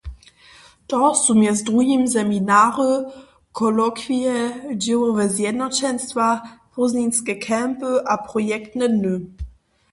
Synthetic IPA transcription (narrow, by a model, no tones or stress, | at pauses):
tɔsumjɛsdʁujimsɛminaʁə | kʰɔlɔkʰviɛd͡ʑɪwəvɛzjɛdnɔt͡ɕɛnstvaʁ̥ɔzninskəkʰɛmpəʔapʁɔjɛktnənø